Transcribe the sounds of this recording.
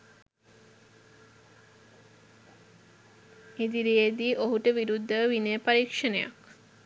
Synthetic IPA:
ed̪iɾijed̪iːʔoɦuʈəʋiɾud̪ʱːəʋinepaɾikʂənḛja̰k

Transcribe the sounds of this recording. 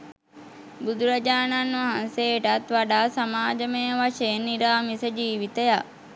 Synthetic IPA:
bud̪ʱuɾɐd͡ʒaːnanʋaɦanseːʈɐt̪ʋaɖaːsamaːd͡ʒəmeːʋaʂeːnːiɾaːmisəd͡ʒiːʋit̪ejaʔ

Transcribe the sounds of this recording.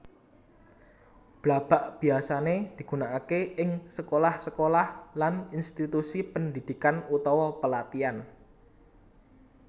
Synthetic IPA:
b̥lab̥aʔb̥i̤asaned̪̥i̤ɡ̥ṳnaʔakeɪŋsəkolahsəkolahlaninst̪it̪usipənd̪id̪̥i̤kanut̪ɔwɔpəlat̪ian

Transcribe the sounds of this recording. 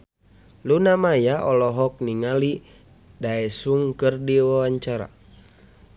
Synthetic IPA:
lunamajaɔlɔɦɔk̚niŋali | daɛsuŋkɨrdiwawaɲt͡ʃaɾa̰

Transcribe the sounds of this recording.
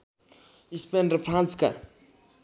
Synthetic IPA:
ispenɾɐfʰɾãnska̰

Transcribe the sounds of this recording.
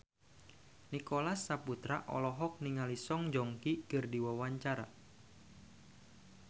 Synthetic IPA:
nikolasːaput̪ɾa̰ʔɔ̰lɔɦɔk̚niŋalisɔŋd͡ʒɔŋkikɨrdiwawaɲt͡ʃaɾa̰

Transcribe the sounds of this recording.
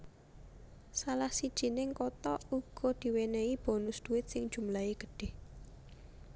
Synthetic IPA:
salahsid̥ʒ̥i̤nɪŋkɔt̪ɔʔuɡ̥ɔ̤d̪̥i̤weneib̥ɔ̤nʊsd̪̥ṳwɪt̪̚sɪŋd̥d͡ʒ̥ṳmlaiɡ̥əɖ̥e̤h

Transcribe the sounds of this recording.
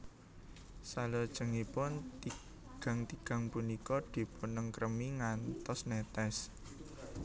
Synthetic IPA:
salod̥ʒ̥ə̤ŋipʊnt̪i | ɡ̥a̤ŋt̪iɡ̥a̤ŋpunikɔd̪̥i̤punəŋkɾəmiŋant̪ɔsnet̪ɛs

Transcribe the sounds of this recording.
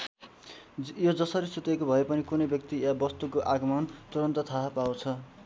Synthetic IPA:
jod͡zʌsʌɾisut̪ekobʱʌepʌnikunʌjbjʌk̚t̪iabʌst̪ukoʔaɡʌmʌnt̪uɾʌnt̪ʌt̪ʰaɦapawt͡sʰʌ

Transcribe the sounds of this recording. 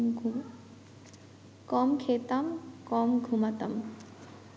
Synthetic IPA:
kɔmkʰet̪amkɔmɡʱumat̪əm

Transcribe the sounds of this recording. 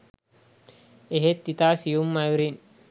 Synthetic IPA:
eɦet̪ːit̪asijumːajuɾin

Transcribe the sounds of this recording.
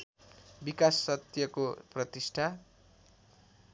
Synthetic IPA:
bikasːʌt̪jʌkoprʌt̪isʈʰa

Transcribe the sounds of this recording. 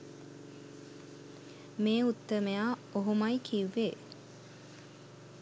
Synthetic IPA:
meːut̪ːəmeaːoɦumɐikʰiʋːe

